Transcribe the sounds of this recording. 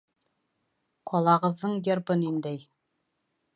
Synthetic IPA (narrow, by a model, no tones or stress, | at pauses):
qʰɒlˠɑʁɤ̆ðːɤɴjɤ̆ɾbɤnind̪ɘj